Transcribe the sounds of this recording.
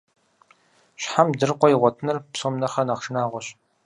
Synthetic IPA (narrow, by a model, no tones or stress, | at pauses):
ɕħamdɨrqʷɔjiʁʷɔtʰnɨrpsoːmnɐχɐnaːχʂɨnaːʁʷɔɕ